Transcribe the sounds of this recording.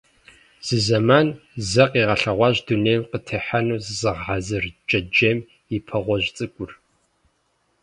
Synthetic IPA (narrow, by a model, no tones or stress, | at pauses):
z̥ɨzɐmaːnzɐqʼiːʁɐɬɐʁʷɑːʑduneːjwqətʰɐħanuːzɨzɨʁʕazɨrt͡ʃʼɐd͡ʒem | ipʰɐʁʷɔʒt͡sʼɨkʷʼʊr